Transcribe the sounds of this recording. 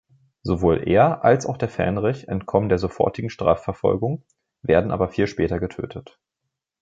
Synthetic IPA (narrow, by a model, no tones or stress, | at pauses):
zovoːlʔḛːɐʔalsaʊxd̥eːɐfɛ̰ɐnʁɪçɛntkʰɔməndeːɐzofɔ̰ɐtɪɡŋ̩ʃtʁ̥a̰ːfɛɐfɔ̰lɡʊŋ | veːɐdn̩ʔa̰ːbɐfiːlʃpɛːtɐɡətʰø̰ːtʰət